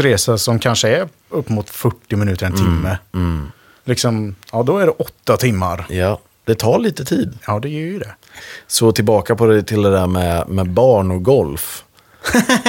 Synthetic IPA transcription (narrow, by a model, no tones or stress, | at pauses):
ɾeːsasɔmkʰanʂəɛɾ | ɵpːmʊt̪fœʈːɪmɪnʉ̟ːt̪əɾɛnt̪ʰɪmːə | lɪksɔmɑːd̪ɔæɖɛʔɔt̪ːat̪ʰɪmːa̰ɾjɑ | d̪̥ɛt̪ʰɑːɭiːt̪ət̪ʰiːd̪jɑːd̪ɛjœjʏd̪ɛ | soːt̪ʰɪlbɑːkapʰɔd̪ɛt̪ʰɪld̪ɛd̪æɾmɛmɛbɑːɳɔɡɔlf